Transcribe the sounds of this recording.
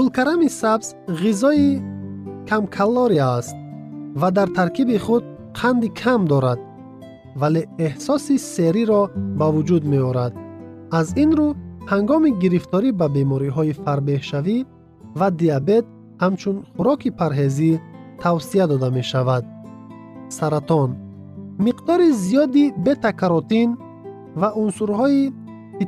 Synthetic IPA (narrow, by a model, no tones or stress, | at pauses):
ulkaɾamisabzʁizɔi | kʰamkʰalːɔɾiaːst̪̚vad̪aɾt̪ʰaɾkʰibiχud̪̚ | qʰand̪ikʰamd̪ɔɾad̪̚ | valeːhsɔsiseɾiɾɔbavud͡ʒud̪meɔɾad̪ | azinɾuhaŋɡɔmiɡiɾift̪ʰɔɾibabe̞mɔɾiɦɔifaɾbe̞hʃavi | vad̪iabe̞t̪̚ | hamt͡ʃʰunχuɾɔkʰipʰaɾɦe̞zit̪ʰawsiad̪ɔd̪ame̞ʃavad̪̚ | saɾat̪ʰɔn | miqd̪ɔɾizijɔd̪ibe̞t̪ʰakʰaɾɔt̪in | vaʔunsuɾhɔi | i